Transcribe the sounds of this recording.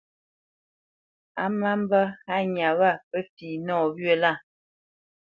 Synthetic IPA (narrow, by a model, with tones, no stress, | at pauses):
a˦ma˦m˦bə˦ha˦ɲa˨βa˦˨pə˦fiː˨nɔː˦˨bɥə˦la˦˨